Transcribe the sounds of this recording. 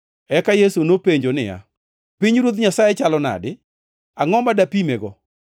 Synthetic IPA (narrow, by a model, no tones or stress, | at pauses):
ɛkajesunopeɲd͡ʒonɪ̰ja̰ | piɲɾwot̪̬ɲasajɛt͡ʃalɔna̰dɪ | aŋɔmbadapimeɡɔ